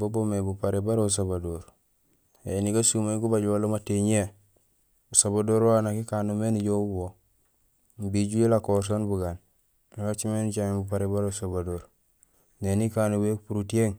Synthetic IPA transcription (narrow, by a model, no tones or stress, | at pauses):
bobomebupaɾebaɾeus̬abadoɾ | ḛniɡasumaɡubaɟwolomateɲe | usabadoɾwanakikanumeniɟobwo | mbiɟuelakoɾs̬onbuɡan | wat͡ʃimenit͡ʃaibup̬aɾebaɾousobadoɾ | nenikanubekupuɾutieŋ